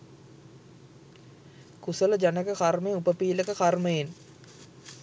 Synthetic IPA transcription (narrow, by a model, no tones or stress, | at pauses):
kusələd͡ʒanəkəkarmejupəpiːləkəkarməjen